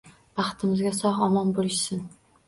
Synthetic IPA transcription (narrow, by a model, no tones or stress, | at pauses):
bɑχt̪ʰɪmɪzɡʲasɒhɒmɒnbolɪʃsɪn